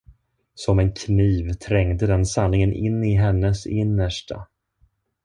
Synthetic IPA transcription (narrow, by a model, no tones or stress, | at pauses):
sɔmɛnkʰniːvt̪ʰɾɛŋd̪əd̪ɛnsanːɪŋənʔɪ̰nːɪɦɛnːəsɪnːəʂʈʰa̰